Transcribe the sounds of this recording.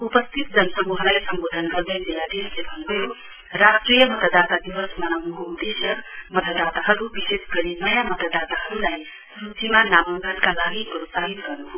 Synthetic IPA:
upʌst̪ʰit̪̚d͡zʌnəsʌmuɦlajsʌmbod̪ʱənɡʌɾd̪ed͡zilːad̪ilsebʱʌnɡʌjo | ɾasʈɾijəmʌt̪əd̪at̪ad̪iwəsmʌnamuɡud̪esjəmʌt̪əd̪at̪aɦʌɾubisesɡʌɾinʌjamʌt̪əd̪at̪aɦʌɾulaj | sut͡ʃimanamuŋɡət̪kalaɡipɾot̪saɦit̪ɡʌɾnuɦo

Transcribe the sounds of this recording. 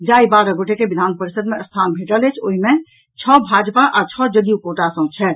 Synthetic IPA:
d͡ʒaːibaːɾəɡoːʈʰekebid̪ʱaːnpəɾisəd̪mẽəst̪ʰaːnbʱeʈəlet͡ʃʰoːɦimẽ | t͡ʃʰɔbʱaːd͡ʒpaʔaːɾt͡ʃʰɔd͡ʒəd̪ijukoːʈasə̃t͡ʃʰɛ

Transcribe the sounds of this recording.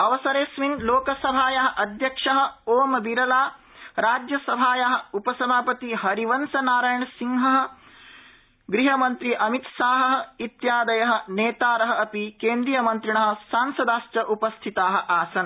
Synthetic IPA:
ɐʋɐsɐɾeːsminloːkɐsɐbʱaːjɐɦɐ̆ʔɐd̪ʱjɐkʂɐɦɐ̆oːmɐbiɾɐlaː | ɾaːd͡ʒjɐsɐbʱaːjɐɦɐ̆upɐsɐmʱaːpɐt̪iɦɐɾiʋɐnsɐnaːɾaːjɳɐsiŋɦɐɦɐ̆ | ɡɾiɦɐmɐnt̪ɾiʔɐmit̪saːɦɐɦɐ̆it̪jaːd̪ɐjɐɦɐ̆neːt̪aːɾɐɦɐ̆ɐpikeːnd̪ɾijɐmɐnt̪ɾiɳɐɦɐ̆saːnsɐd̪aːsʈɐʔupɐst̪ʰit̪aːɦɐ̆ʔaːsɐn

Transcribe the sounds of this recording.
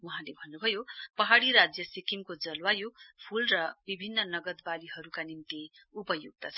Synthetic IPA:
uɦãlebʱʌnːubʱʌjopʌɦaɽiɾad͡zjʌsikimkod͡zʌlwajopʰulrʌbibʱinːʌnʌɡʌd̪baliɦʌɾukanimt̪i | upʌjuɡ̚t̪ʌt͡sʰʌ

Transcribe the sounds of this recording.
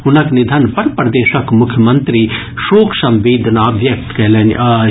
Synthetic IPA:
ɦʊnɐknid̪ʱɐnpɐɾpɾɐd̪eːʃɐkmʊkʰjəmɐnt̪ɾi | ʃoːkʰsɐ̃mʋeːd̪ʱnabʱjɐk̚t̪kɐlɐn

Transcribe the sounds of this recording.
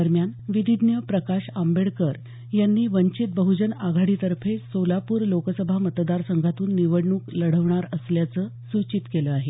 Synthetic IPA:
əɾmjanʋid̪id̪njəpɾəkaɕambeɽkəɾ | janːiːʋəɲt͡ɕit̪̚bəɦud͡ʑənaɡʱaɽit̪əɾfʰesolapuːɾlokəsəbʱamət̪d̪aɾsəŋɡʱat̪uːnːiʋəɽɳuːkləɽ̤əʋɳaɾəsljat͡səːsut͡ɕit̪keləaɦe

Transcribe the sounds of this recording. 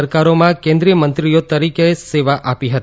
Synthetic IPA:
əɾkaɾomãkẽnd̪ɾijəmə̃nt̪ɾijot̪əɾikeseʋaʔapiɦət̪i

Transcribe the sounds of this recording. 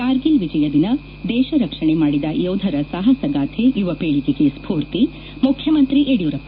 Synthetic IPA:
kaːɾɡilʋid͡ʒɐjɐd̪inɐ | d̪ɛːʃɐɾɐkʂɐɳemaːɽid̪ɐjoːd̪ʱɐɾɐsɐɦɐsɐɡaːt̪ʰejuʋɐpeːɭikeɡespʰuːɾt̪i | mukʰjɐmɐnt̪ɾiʔeɽijuɾɐpː

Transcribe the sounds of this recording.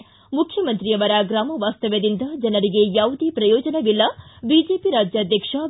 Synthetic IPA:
mukʰjɐmɐnt̪ɾijɐʋɐɾɐɡɾaːmɐʋaːst̪ɐʋɐd̪ind̪ɐd͡ʒɐnɐɾiɡe̞jaːʋud̪ipɾɐjɔːd͡ʒɐnɐʋilːɐbid͡ʒeːpiɾaːd͡ʒjaːd̪ʱjɐkʂɐ

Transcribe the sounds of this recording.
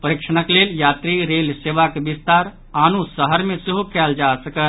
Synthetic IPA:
pəɾikʃəñəkleljat̪ɾiɾelseʋakbist̪aɾ | anusəɦəɾmẽseɦukɛld͡ʒasəkə

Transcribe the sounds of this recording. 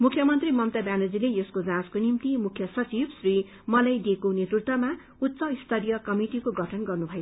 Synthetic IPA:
mukʰjʌmʌnt̪rimʌmt̪ʌbanod͡zilejeskod͡zãskonimt̪imukʰjʌsʌt͡sibsri | mʌlajd̪ekonet̪rit̪ʌma | ut̪ːsʌist̪ʰʌɾijʌkʌmiʈikoɡʱʌʈʰʌnɡʌrnubʱʌe̥

